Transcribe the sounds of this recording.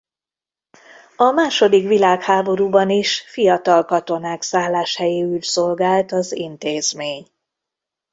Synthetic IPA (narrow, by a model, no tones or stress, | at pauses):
ɒmaːʃo̞d̪ikʋilaːkhaːbo̞ɾuːbɒniʃfijɒt̪ɒlkɒt̪o̞naːksaːlːaːʃhɛjeːylso̞lɡaːlt̪ɒzint̪eːzmeːɲ